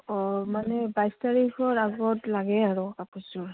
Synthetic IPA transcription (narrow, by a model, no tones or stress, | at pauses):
ɔmanɛbajstaɹikʰɔɹaɡɔtlaɡɛaɹɔkapusɔɹ